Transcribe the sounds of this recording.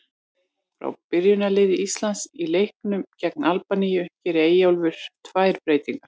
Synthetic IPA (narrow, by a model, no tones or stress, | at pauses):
fɾa̰wpɪɾjʏnalɪːðɪist̪lansilejhknʏmcɛk̚nalpanijʏcɛɾɪeːjawlvʏɾ̥t̪ʰvajɾpɾeːjt̪iŋkḁ